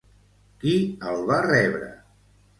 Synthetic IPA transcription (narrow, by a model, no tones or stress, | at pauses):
kiəlˠβarɛβɾə̰